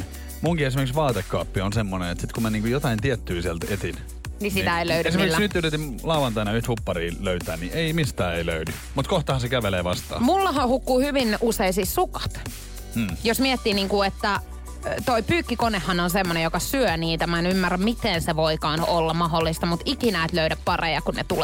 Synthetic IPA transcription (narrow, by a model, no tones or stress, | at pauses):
muŋkies̬imerksʋɑːt̪ekːɑːpːionsemːoneḛt̪sit̪kummæniːŋkujot̪ɑint̪iɛt̪ːyːsiælt̪et̪in | nisit̪æeiløyesimerkkːsnyt̪ːyt̪yt̪imlɑuʋɑnt̪ɑinɑyht̪hupːɑriːløyt̪æːnniʔeimist̪æːeilø̰ydy | mut̪koht̪ɑhɑnsekæʋeleːʋɑst̪ɑ̰ːmulːɑhɑhukːuːhyʋinʔuseisissukɑ̥t̪ː | josmiɛt̪ːiːniːŋkuet̪ːæ | t̪oipyːkːikonehːɑnonsemːonejokɑsyøniːt̪æmɑenymːærːæmmit̪enseʋoikɑːnolːɑmɑɦolːist̪ɑmut̪ikinæet̪løyɾæppɑrejɑkunnḛt̪ule